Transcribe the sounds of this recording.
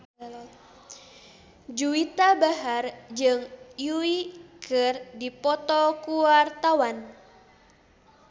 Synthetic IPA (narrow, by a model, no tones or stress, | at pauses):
d͡ʒuit̪abaɦard͡ʒɨŋjuikɨrdipɔt̪ɔkuwart̪awan